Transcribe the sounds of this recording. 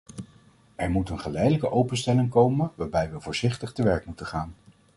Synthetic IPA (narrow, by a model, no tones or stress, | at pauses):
ɛɹmutənχəlɛjdələkəʔowpənstɛlɪŋkowmənʋaːɹbɛjʋəvʊːɹz̥ɪχtəχtəʋɛɹkmutənχaːn